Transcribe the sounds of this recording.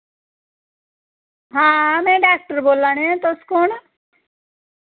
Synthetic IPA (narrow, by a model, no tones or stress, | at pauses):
ɦãːmẽɖaːk̚ʈəɾboːlanẽt̪oskon